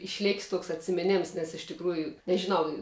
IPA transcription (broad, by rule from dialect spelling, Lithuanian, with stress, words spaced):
ɪʃʲˈlʲeːkʲɪs ˈtuɔks ɐtʲsʲɪmʲɪˈnʲɛms nʲɛs ɪʃ tʲɪkˈruːjʊ nʲɛʒʲɪˈnɐʊ